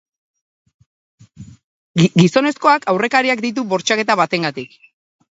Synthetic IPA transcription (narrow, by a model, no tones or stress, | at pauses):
ɡiso̞ne̞sko̞akawre̞kaɾiakd̪it̪̬uβo̞ɾt͡ʃake̞t̪aβat̪e̞ŋɡat̪ik